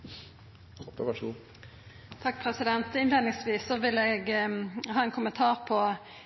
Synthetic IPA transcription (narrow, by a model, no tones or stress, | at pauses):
ʋæʂu | t̪ʰɑk̚ːpʰʁɛsɪd̪ɛnt̪ɪnleːd̪nɪŋsʋiːsːɔʋɪlɛɡɦɑːɛnkʰʊmənt̪ʰɑːʁpʰɔ